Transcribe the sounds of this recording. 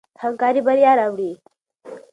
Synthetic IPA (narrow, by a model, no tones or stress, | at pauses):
əŋkaɾiːbəɾijaɾaʋɽiː